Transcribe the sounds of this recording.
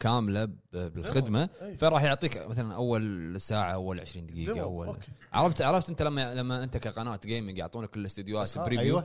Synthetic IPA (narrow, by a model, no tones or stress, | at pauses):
kaːmlabbɪlxɪd̪mafaɾˤɑːħjʊʕt̪ˤiːkmaθalanʔawːalsaːʕaʔawːalʕɪʃɾiːnd̪ɪɡiːɡaʔawːa̰lʕɑ̰ɾˤɑft̪ʕɑɾˤɑft̪ʔɪnt̪alamːalamːaʔɪnt̪akaqɑnaːt̪ɡeːmɪŋɡjʊʕt̪ˤuːnaklɪst̪ʊd̪jaːt̪bɾiːju